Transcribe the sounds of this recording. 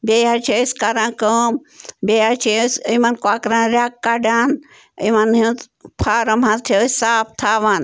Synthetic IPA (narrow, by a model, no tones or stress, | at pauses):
bʲeat͡ʃʰeskaɾãnkəːm | bʲeat͡ʃʰisimɐnkoaːkɾãnɾʲakːaɖaːn | imɐnɦĩt̪ | pʰaːɾɐmɦãt̪ʰesaːp̚t̪ʰaːʋaːn